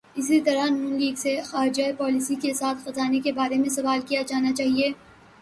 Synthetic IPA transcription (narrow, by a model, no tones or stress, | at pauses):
ɪsit̪ɐɾanũːnliːɡsexaːɾɪd͡ʒaepɔːlɪsikesaːt̪ʰxɐzaːnekebaːɾemẽsɐʋaːlkijad͡ʒaːnat͡ʃaːɦieː